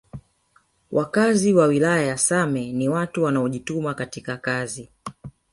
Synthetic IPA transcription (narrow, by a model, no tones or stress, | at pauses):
wʔakaziwawilajajasamɛniwatuwanaɔʄitumakatikakazi